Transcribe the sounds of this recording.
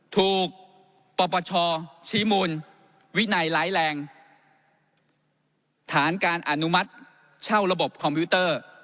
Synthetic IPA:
t̪ʰuː˨˩k̚ | pɔː˧pɔː˧t͡ɕʰɔː˧t͡ɕʰiː˦˥muː˧n | wi˦˥na˧jlaː˦˥jlɛː˧ŋ | t̪ʰaː˩˦nkaː˧nʔa˨˩nu˦˥ma˦˥t̪̚ | t͡ɕʰa˥˩wɾa˧bo˨˩p̚kʰɔ˧mpʰiː˦˥t̪ɤː˥˩

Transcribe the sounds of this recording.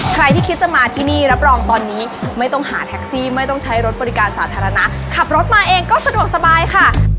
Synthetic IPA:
kʰɾa˧jt̪ʰiː˥˩i˦t̪̚sa˧˩maː˧t̪ʰiː˥˩niː˥˩ɾa˦˥p̚ɾɔː˧ŋt̪ɔː˧nːiː˦˥ma˥˩jt̪ɔ˥˩ŋhaː˩˦t̪ʰɛ˦˥k̚siː˥˩ma˥˩jt̪ɔ˥˩ŋt͡ɕʰa˦˥jɾo˦t̪̚bɔː˧ɾi˦˥kaː˧nsaː˩˦t̪ʰaː˧ɾa˧na˦˥ʔ | kʰa˨˩p̚ɾo˦˥t̪̚maː˧ʔeː˧ŋkɔː˥˩sa˧du˨˩ək̚sa˧baː˧jkʰa˥˩

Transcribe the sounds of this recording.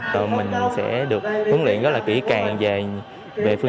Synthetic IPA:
təː˨˩mï˨˩ŋ̟˨˩sɛ̰˧˥ɗɨ˨˩ək̚ʔʊ˨˦nlwḭ˧˨ənzə˦˥t̚laː˨˩kḭ˧˩əkaː˨˩ŋve˨˩ | ve˨˩fɨ˧˩

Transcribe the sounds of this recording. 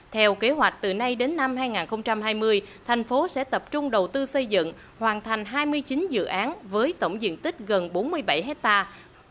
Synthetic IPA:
t̪ʰɛ˧wke˨˦ɦwa˨˩jk̟̚t̪ɨ˨˩na˧jɗe˨˦nːa˧mɦaː˧jŋaː˨˩nxə˧wŋ͡mt͡ɕa˧mɦaː˧jmɨ˧əjt̪ʰɛ˨˩jŋ̟fo˨˦sɛ̰˧˥t̪ə˨˩p̚t͡ɕʊ˧ŋ͡mɗə˨˩wt̪ɨ˧sə˧jzɨ̰˧˨ŋ | hwaː˨˩nt̪ʰa˨˩ŋ̟ɦaː˧jmɨ˧əjt͡ɕï˨˦nzɨ̰˧˨ʔaː˨˦nvəː˨˦jt̪ə̰˧˩wŋ͡mzḭ˧˨ənt̪ï˦˥k̟̚ɣə˨˩nɓo˨˦nmɨ˧əjɓa˧˩jɦɛ˦˥k̚t̪aː˧

